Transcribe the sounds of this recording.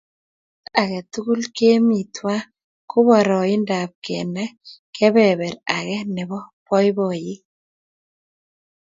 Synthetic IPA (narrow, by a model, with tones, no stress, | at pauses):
a˨ɣɛ˨t̪u˦ku˦lke˦mi˨twa˦ | kʊ˦βɔ˨ɾɔ˨ɪ˦nda˨p̚kɛ˨nɛ˦kʰɛ˦bɛ˨bɛ˨ɾa˨ɣɛ˦nɪ˨βɔ˦pɔ˦jbɔ˨jɪ˦